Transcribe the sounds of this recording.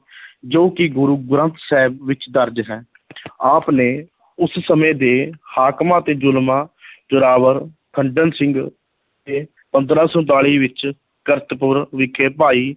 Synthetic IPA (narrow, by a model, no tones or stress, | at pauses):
d͡ʒoːkɪɡʊɾuːɡʊɾənt̪sɛːbʋɪt͡ʃd̪əɾd͡ʒɦɛː | aːpneː | ʊssəmẽːd̪eːhaːkmãːt̪eːd͡ʒʊlmãːt͡ʃʊɾaːʋəɾ | kʰəɳɖənsɪŋɡ | t̪eː | pə̃nd̪ɾaːsõːt̪aːɭiːʋɪt͡ʃ | kəɾt̪pʊɾʋɪkʰeːpaːiː